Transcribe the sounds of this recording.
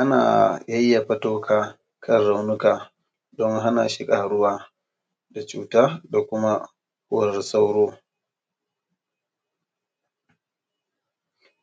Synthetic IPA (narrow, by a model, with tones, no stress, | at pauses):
ʔa˦na̰ː˨jɐ˦jːa˨ɸɐ˦toː˦kʰaː˦ | kʰɐ˦nɽa˨wnʊ˦kaː˨ | dɔ˦ŋɦa˦na̰ː˨ʃɪ˦kʼaː˨ɽʊ˦waː˦ | da˨t͡ʃuː˦taː˦da˨kʷʊ˦ma˦ | kʊ˦˨rsa˦wɽoː˦